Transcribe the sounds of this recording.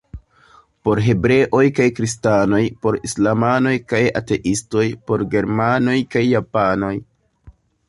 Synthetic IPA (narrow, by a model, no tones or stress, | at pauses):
po̞ɾɦe̞bɾe̞ʔo̞jkajkɾistano̞jpo̞ɾislamano̞jkaja̰te̞ʔisto̞jpo̞ɾɡe̞ɾmano̞jkajːapano̞j